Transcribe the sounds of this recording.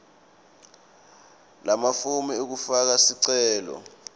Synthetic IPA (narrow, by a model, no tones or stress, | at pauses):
lamafumɛuk̬ufak̬asiǀɛːlɔ̰